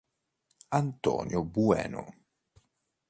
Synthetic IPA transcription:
ant̪ɔ̰ːnjobuɛ̰ːno̰

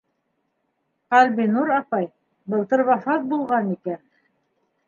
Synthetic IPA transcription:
qɑlʲbinuɾɑpɑj | bɤ̆lˠt̪ɤɾβɑfɑt̪̚bulˠʁɑnikæn

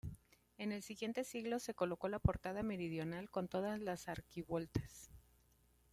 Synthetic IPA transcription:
e̞ne̞lsiɣje̞nt̪e̞siɣlo̞se̞ko̞lo̞ko̞lapo̞ɾt̪aðame̞ɾið̞jo̞nalko̞nt̪o̞ð̞azlasaɾkiβwo̞lt̪ḁs

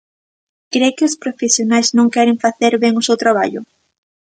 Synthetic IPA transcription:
kɾejkɪʊspɾofesjonajznõŋkɛɾɪŋfaθeɾβeŋʊsewt̪ɾaβ̞a̰ʎʊ

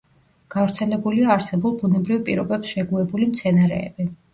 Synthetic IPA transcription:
ɡ̥avɾt̪sʰɛlɛbuliaːɾsɛbulˠbunɛbɾivpʼiɾɔbɛpsʃɛɡuɛbulimt̪sʰɛnaɾɛ̰ːbi

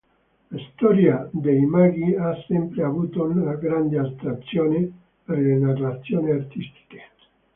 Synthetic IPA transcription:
laist̪ɔɾjad̪ejmaɡiasːempɾeavuːt̪onlaɡɾand̪ealt̪ɾat̪sjoːne | peɾlenarat̪sjoneart̪ist̪i̥ke̥

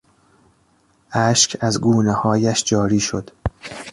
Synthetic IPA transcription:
ʔæːʃcʰæzɡuːnehɒːjæʃd͡ʒɒːɾiːʃod̪̥

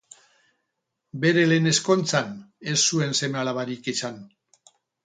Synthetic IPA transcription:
be̞ɾelene̞sko̞nt͡sane̞sːue̞nsemealaβaɾikisan

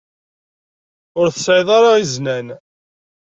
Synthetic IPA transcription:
ʊɾθəsʕjðˤɑɾˤɑiznæn

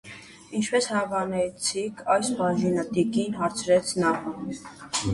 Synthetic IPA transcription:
int͡ʃʰpɛshɑvɑnɛt͡sʰikʰɑjspɑʒinət̪ikinɦɑɾt͡sʰɾɛt͡sʰnɑ

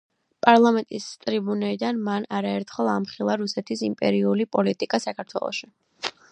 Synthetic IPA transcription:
pʼaɾlˠamɛnt̪ʼist̪ʼɾibunɛlid̪anmanaɾaɛɾt̪ʰχɛlˠamχilˠaɾusɛt̪ʰisimpʼɛ̰ɾiulipʼɔlit̪ʼikʼasakʰaɾt̪ʰwɛ̰lˠɔ̰ʃi

